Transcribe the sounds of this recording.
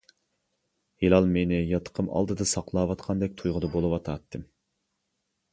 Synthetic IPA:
helɑlˠmenɪjɑt̪ʰə̥qʰəmɑ̰lˠd̪ɨd̪ɑsɑqlˠɑːwɑt̪qʰɑnd̪ɛk̚ʲt̪ʰujʁəd̪ɑbolˠɨwɑt̪ʰɑːt̪ʰːɨm

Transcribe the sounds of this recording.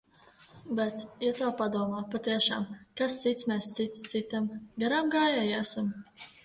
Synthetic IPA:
bɛt̪jat̪aːpad̪uɔmaːpat̪iɛʃa̰ːmkast̪sit̪smʲɛst̪sit̪st̪sit̪ʲamɡaɾamɡaːjajæsam

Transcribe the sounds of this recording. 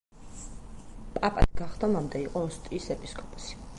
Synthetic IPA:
pʼapʼa̰d̪ɡaχd̪ɔmamd̪ɛiqʼɔɔst̪ʼiːsɛpʼiskʼɔpʼɔ̥si̥

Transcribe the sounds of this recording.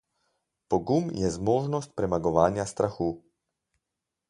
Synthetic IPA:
pɔɡumjɛzmoːʒnɔst̪̚pɾɛmaɡɔʋaːnjast̪ɾaxuː

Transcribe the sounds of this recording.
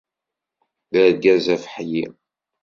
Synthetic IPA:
ðæɾɡæzæfə̥ħji

